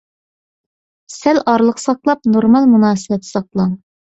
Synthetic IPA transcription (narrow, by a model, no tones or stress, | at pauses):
sælɑɾlˠəqsɑqlˠɑp̚noɾmɑlˠmunɑːsɨbwɛt̪ʰːɪ̥sɑq̚lˠɑŋ